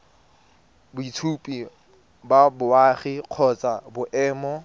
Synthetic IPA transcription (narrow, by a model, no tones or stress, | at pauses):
bʊitʰupʼi | babʊaːχiq͡χʰɔt͡sʼabʊʔɛːmɔ